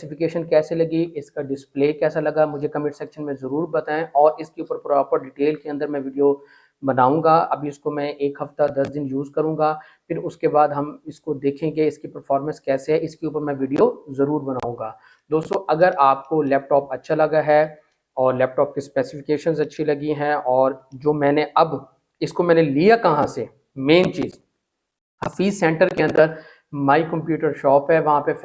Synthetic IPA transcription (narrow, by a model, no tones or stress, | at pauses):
ɛsɪfɪkeːʃənkɛːselɐɡiɪskaɖɪspleːkɛːsalɐɡamʊd͡ʒʱekɐmɪʈsɛːkʃənmẽzɐɾuːɾbɐt̪aːẽʔɔːɾɪskeuːpəɾpɾɔːpəɾɖɪʈeːlkeɐ̃nd̪əɾmɛ̃ʋɪːɖijo | bɐnaːũːɡaːʔɐ̰bʱiɪskomɛ̃ʔeːkɦɐft̪ad̪ɐsd̪ɪnjuːzkɐɾũːɡaː | pɪɾʊskebaːd̪ɦɐmɪskod̪eːkʰẽɡeɪskipɐɾfɔːɾmə̃nskɛːseɦɛɪskeuːpəɾmɛ̃ʋɪɖijozɐɾuːɾbɐna̰ːũːɡaː | d̪oːst̪oʔɐɡəɾʔaːp̚kolɛːp̚ʈɔːpɐtːʃʰalɐɡaɦɛ | ɔːɾlɛːp̚ʈɔːp̚kispɛːsɪfɪkeːʃənzɐtːʃʰilɐɡiɦɛ̃ɔːɾd͡ʒoːmɛ̃ːneʔɐb | ɪskomɛːnelijakɐɦãse | mẽːnt͡ʃiːz | hɐfiːzsɛ̃ːɳʈəɾkeɐ̃nd̪əɾ | maːikɐ̃mpjuːʈəɾʃɔːpɦɛʋɐɦãpe